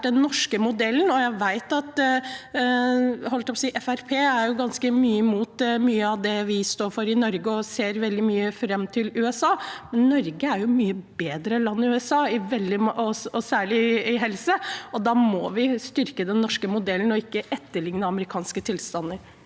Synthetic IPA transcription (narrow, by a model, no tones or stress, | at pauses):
ɖɛnːɔʂkəmʊd̪ɛlːnɔjæɪʋæɪt̪ɑt̪ | ɦɔlət̪ʰɛpʰɔsiːʔɛfæɾpʰeːæɾjʊɡɑnskəmyːəɪmuːt̪myːəɑʋd̪ɛʋɪst̪oːɾfɔɾɪnɔɾɡəɔseːɾʋɛld̪ɪmyːəfɾɛmːt̪ʰɪlʉːɛsɑːmɛnːɔɾɡəæɾjʊmyːəbeːd̪ɾəlɑnːɪʉɛsɑːɪʋɛld̪ɪɔɔsæːɭɪɪɦɛlsəɔd̪ɑmɔʋɪst̪ʏɾkəd̪ɛnːɔʂkəmʊd̪ɛlːn̩ɔɪkːəʔɛt̪ːəɭɪŋnəɑməɾɪkʰɑːnskət̪ʰɪlst̪ɑnːəɾ